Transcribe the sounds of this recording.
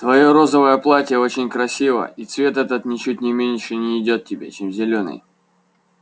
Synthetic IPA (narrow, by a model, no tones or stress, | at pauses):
t̪vɐjoɾo̞zəvəjəplˠatʲɪjəo̞t͡ɕɪnʲkɾɐsʲivə̰it̪svʲe̞t̪ɛt̪ət̪nʲɪt͡ɕut̚ʲnʲɪmʲenʲʂɨnʲɪːdʲo̞t̪̚tʲɪbʲe̞̰t͡ɕemzʲɪlʲonɨ̰j